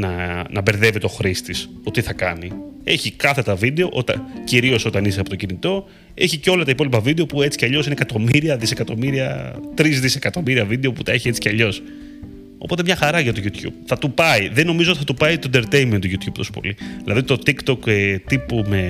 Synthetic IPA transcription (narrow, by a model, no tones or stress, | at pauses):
nɐnɐbe̞ɾðe̞vit̪o̞xɾist̪is | o̞t̪iθɐkɐnie̞çikɐθe̞t̪ɐvid̪e̞o̞ʔot̪ɐ̰nciɾio̞so̞t̪ɐniseɐpo̞t̪ocinit̪o̞ | e̞çiceo̞lɐt̪ɐipo̞lipɐvid̪e̞o̞pue̞t͡si̥ceɐʎo̞sinekɐt̪o̞miɾiɐðise̞kɐt̪o̞miɾiɐt̪ɾizðise̞kɐt̪o̞miɾiɐvid̪e̞o̞put̪ɐeçie̞t͡si̥ceɐʎo̞s | o̞̰po̞t̪emɲɐxɐɾɐʝɐt̪o̞ʝut̪ç̥ṵb̥̚θɐt̪upɐiðeno̞mizoot̪iθɐt̪upɐit̪ond̪eɾt̪ejment̪uʝut̪ʰçub̚t̪o̞so̥po̞̰liðilɐðit̪o̞t̪ikt̪o̞ket̪ipume̞